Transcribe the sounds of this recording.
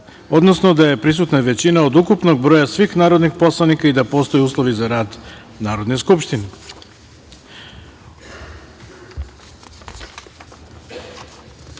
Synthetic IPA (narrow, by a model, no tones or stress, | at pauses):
o̞d̪nosnod̪aje̞pɾis̬ut̪naʋe̞t͡ɕinaod̪ukupno̞ɡ̚bɾoːjasʋixnaːɾod̪nixpo̞slˠanikaid̪apo̞ːst̪o̞jeuːslˠo̞ʋizaɾaːd̪ | naːɾo̞d̪ne̞skupʃt̪ine